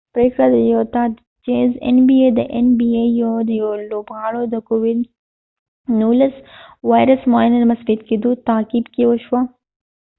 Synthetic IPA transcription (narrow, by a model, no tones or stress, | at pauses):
pɾeːkɽad̪ɐjoːt̪a | t͡ʃeːzḛnbiːeːd̪ɐʔenbiːejod̪ɐjoloːbɣaːɽod̪ɐkoːʋid̪ | nuːlɐsʋaːjɾɐsmaːinɐd̪mɐsfit̪kid̪uːt̪aːkibkiʋoʃwa